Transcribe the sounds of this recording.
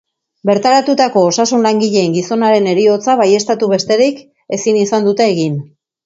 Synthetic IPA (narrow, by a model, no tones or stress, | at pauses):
be̞ɾt̪aɾat̪ut̪ako̞ːsasunlaŋɡiʎe̞ːŋɡiso̞naɾe̞ne̞ɾio̞t͡saβaje̞st̪at̪uβe̞st̪e̞ɾik | e̞sinisand̪ut̪e̞ːɣin